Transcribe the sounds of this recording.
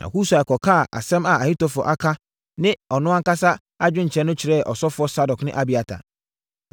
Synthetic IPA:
nʔã̰˨hu˦sa˨ɛ˨kʰɔ˨kʰa˦˨ʔa̰˨sɛ̃˦ma˨a˨hi˦tɔ˨fʊ˨ɔ̰˨ʔa˦kʰa˦ | nɪ̃˦ɔ˨nʊ̃˦a˦ŋ̩˦ka˦sa˦ | a˦d͡ʑᶣɪ̃˦ɲ̩˨t͡ɕʰɾɛ˨˦nʊ̃˦t͡ɕʰɪ˨ɾɛ˦˨ʔɔ˨sɔ˦fʊ˨˦ɔ˦sa˦dɔ˨knɪ̰̃˦ʔa˦bi˨a˨tʰa̰˨

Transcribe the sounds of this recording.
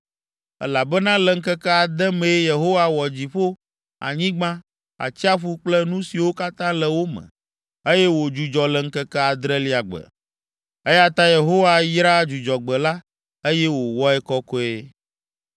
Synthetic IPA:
ɛ̰˦la˨bɛ˦nã˦lɛ˨ŋ̩˦kɛ˦kɛ˦a˨d̪ɛ˦mẽ˨˦je˨ɦo˦wa˦wɔ˨d͡ʑi˨ɸo˦ | a̰˨ɲĩ˦ɡ͡bã˦ | a̰˨t͡ɕi˦a˦ɸu˦k͡plɛ˦nũ˦si˨wo˦ka˦t̪ã˦lɛ˨wo˦mə̰̃˨ | e˦jɛ˦wo˨d͡ʒu˨d͡ʒɔ˨lɛ˨ŋ̩˦kɛ˦kɛ˦a˨d̪ɾɛ˦li˦a˨ɡ͡bə̰˨ | e˦ja˦t̪a˦je˨ɦo˦wa˦jɾa˦d͡ʒu˨d͡ʒɔ˨ɡ͡bɛ˨la˦ | e˦jɛ˦wo˨wɔ˦ɛ˦kɔ˦kɔ˦e˦

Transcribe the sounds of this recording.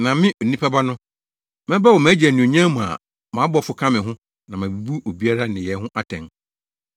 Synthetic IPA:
nã˨mɪ̃˦ʔo˨nĩ˦pʰa˦ba˦nʊ̃˦ | mɛ̃˦ba˦wɔ˨mæ̃ː˨˦d͡ʑɛ˨nʊ̃˨o˨ɲã˦mũ˨a̰˨ | mã˨˦bɔ˦fʊ˨kʰã˦mɪ̃˨ɦʊ̃˦ | nã˨mæ̃˨bu˨bu˦ʔo˨bi˦a˦ɾa˦nɪ̃˨jɛ˨ɦʊ̃˦ʔa˦tʰɛ̰̃˨ŋ

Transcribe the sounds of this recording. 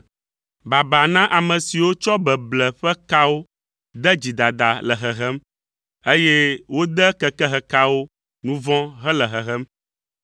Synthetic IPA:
ba˨ba˨nã˦ʔa˨mə̃˨si˨wo˦t͡ʃɔ˦bɛ˨blɛ˨ɸɛ˦ka˦wo˦ | d̪ɛ˦d͡ʑi˨d̪a˨d̪a˨lɛ˨ɦɛ˨ɦɛ˦m | e˦jɛ˦wo˦d̪ɛ˦kɛ˦kɛ˦ɦɛ˨ka˦wo˦ | nũ˦vɔ̃˦ɦɛ˦lɛ˨ɦɛ˨ɦɛ˦m

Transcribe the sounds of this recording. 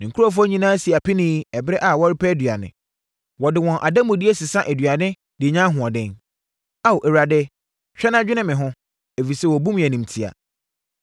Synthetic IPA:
nɪ̃˨kʰu˦ɔ˦f̬ʊ˦ɔ˦ɲĩ˦nãː˦si˨a˨pɪ˦nĩː˦ɛ˨bɪ˦ɾɛ˦ʔa˨wɔ˦ɾɪ˦pʰɛ˦dɥa˨nɪ̰̃˨ | wɔ˨dɪ˨wɔ̃˨nʔa˨dã˦mʊ̃˨di˦e˦sɪ˨sã˦ʔɛ˨dɥa˨nɪ̃˦ | dɪ˨ɲã˦ɦʊ̃˨ɔ˨dɛ̃˦n | a˦wo˨ʔɛ˨wɾa˨dɛ˦ | t͡ɕᶣɛ˦nã˦d͡ʑᶣɪ˦nɪ̃˦mɪ̃˨ɦʊ̃˦ | e˨fi˨sɛ˦wɔ˨bũ˦m̃˨æ˨nĩ˨m˨tʰi˨a̰˨

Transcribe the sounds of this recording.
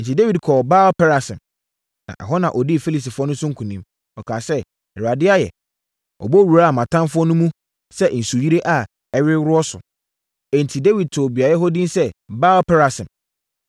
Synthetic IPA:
n̩˨tʰi˨de˦wi˨dkʰɔ˨ba˦lpʰɛ˦ɾa˨sɪ̃˨m | nã̰˨ʔɛ̰˨ɦɔ˦nã̰˨ʔɔ˨di˦˨fi˦li˨s̬i˨fʊ˦ɔ˦nʊ̃˦sʊ˦ŋ̩˦kʰũ˨nĩ˦m | ɔ˨kʰaː˨sɛ˦ | ɛ˨ɾa˨dɪ˦a˦jɛ̰˨ | ɔ̰˨bɔ˦ɾu˨ɾa˦a˨mã˨tʰã˦mfʊ˦ɔ˦nʊ̃˦mũ˦ | sɛ˦n̩˨su˨ji˦ɾe˦ʔa˨ | ɛ˨ɥɪ˦wɾʊ˦ɔ˦sʊ̰˨ | ɛ̃˨n̩˨tʰi˨de˦wi˨d̚tʰʊ˨bi˨a˨jɛ˦ɦɔ˦dĩ˦n˦sɛ˦baː˦lpʰɛ˦ɾa˨sɪ̃˨m

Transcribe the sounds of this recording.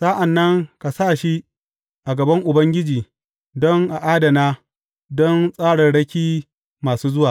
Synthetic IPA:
sa˦ʔa˨nːɐ˦ŋka˨saː˦˨ʃi˦ | ʔa˨ɡɐ˨bɐ˦ŋʔʊ˨bɐ˦ŋɡʲɪ˦d͡ʒiː˨ | dɔ˦ŋʔa˨ʔaː˦dɐ˨naː˦ | dɔ˦nsʼaː˦ɽɐ˨nɽɐ˦kʲiː˦ | maː˨suː˦zʊ˦waː˨

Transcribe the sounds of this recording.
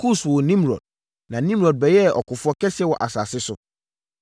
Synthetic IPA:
kʰu˦swɔ˨nĩ˦mɾɔ̰˨d̥̚ | nã˨nĩ˦mɾɔ˨d̚bɛ˨jɛ˦˨ɔ̰˨kʊ˨fʊ˦ɔ˦kʰɛ˦sɛ˦wɔ˨ʔa˨sa˨sɪ˦sʊ˦

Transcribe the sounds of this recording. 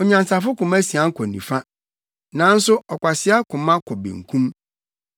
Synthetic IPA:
ɔ˨ɲã˨nsa˨fʊ˦kʊ̃˨mæ̃˦si˨ã˦ŋ̩˦kʰɔ˨nḭ̃˨fa˦ | nã˨˦n̩˦sʊ˦ɔ˨kʷa˨sɪ˦a˦kʰʊ̃˨mã˦kʰɔ˨bḭ̃˨ŋ̩˨kʰũ˦m

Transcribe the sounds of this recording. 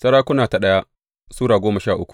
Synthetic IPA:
sɐ˦ɽaː˦kʷʊ˦naː˨ta˨ɗɐ˦ja˦ | suː˦ɽaː˨ɡʷoː˦mɐ˨ʃaː˦˨ʔʊ˦kʷu̥˨ʔ

